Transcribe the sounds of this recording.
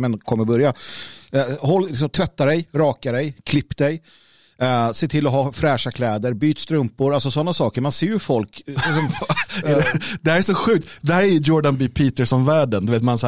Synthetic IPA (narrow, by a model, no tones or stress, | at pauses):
mɛnkʰɔmːəɾbɵɾja | hɔlːlɪksɔmt̪ʰvɛt̪ːaɖɛjɾɑːkaɖɛjkʰlɪpːd̪ɛj | seːt̪ʰɪlːɔɦɑːfɾɛːʂakʰlɛːd̪əɾbyːt̪st̪ɾɵmpʊɾalsɔsɔnːasɑːkəɾmanseːɾjɵfɔlklɪksɔmvɛɛd̪ɛhæɾɛʂɔɧʉ̟ːk̚t̪d̪ɛhæːɾɛjɵjɔɖanbipʰiːt̪ɛʂɔnvæːɖənd̪ɵveːt̪mans